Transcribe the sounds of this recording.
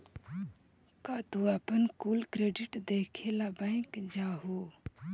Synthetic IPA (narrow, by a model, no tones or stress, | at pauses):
kaːt̪uɐpənkuːlkɾeːɖɪʈd̪eːkʰeːlaːbə̃ɪ̃kd͡ʒaːɦoː